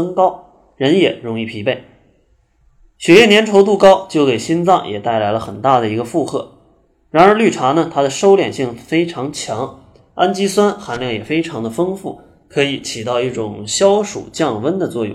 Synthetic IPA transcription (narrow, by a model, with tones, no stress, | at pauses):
ŋkɑ˥ʊ | ɻə˧˥njɛ˨˩ɻʊ˧˥ŋi˥˩pʰi˧˥pe˥˩ɪ | ɕɥɛ˧˥jɛ˥˩njɛ˧˥nʈ͡ʂ̪ʰo˧˥ʊt̪̬u˥˧˩kɑ˥ʊt͡ɕjo˥˩ʊke˨˩ɪɕi˥nt͡sɑ˥˩ŋjɛ̰˨˩t̪a˥˩ɪla˧˥ɪlə˧xə˨˩nt̪a˥˩d̪ə˩i˧˥ɡə˧fu˥˧xʰɤ̰˥˩ | ɻa˧˥nə˞˧˥ly˥˩ʈ͡ʂʰa˧˥nə˧˨t̪ʰa˥d̪ə˨ʂo˥ʊljɛ̰˨˩nɕi˥˩ŋfe˥ɪʈ͡ʂʰɑ˧˥ŋt͡ɕʰjɑ˧˥ŋ | a˥nt͡ɕi˥swa˥nxa˧˥nljɑ˥˩ŋjɛ˨˩fe˥ɪʈ͡ʂʰɑ˧˥ŋd̪ə˧˨fɤ˥ŋfu˥˩ | kʰɤ˧˥i˧˩˦t͡ɕʰi˨˩t̪ɑ˥˧ʊi˥˩ʈ͡ʂʊ˨˩ŋɕjɑ˥ʊʂṵ˨˩t͡ɕjɑ˥˧ŋwə˥nd̪ə˨t͡swɔ˥˧jʊ̰˥˩˨